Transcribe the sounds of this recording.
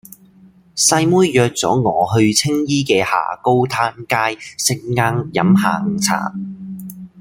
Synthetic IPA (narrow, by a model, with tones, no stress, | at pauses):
sɐ˧jmuː˥jjœː˧k̚t͡sɔ̰ː˨˥ŋɔː˨˧hɵ˧ɥt͡sʰɪ˥ŋjiː˥kɛː˧ha̰ː˨˩ko˥wt̪ʰaː˧˥nkaː˥jsɪ˧ŋːaː˧ŋjɐ̰˨˥mha̰ː˨˩ŋ˨t͡sʰa̰ː˨˩m